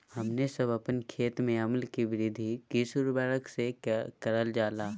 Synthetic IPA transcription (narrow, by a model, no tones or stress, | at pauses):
hɐmnesɐbəpənkʰeːt̪mẽɐməlkiʋɪɾɪd̪ʱikɪsuɾbɛːɭəksekɐɾəld͡ʒaːlaː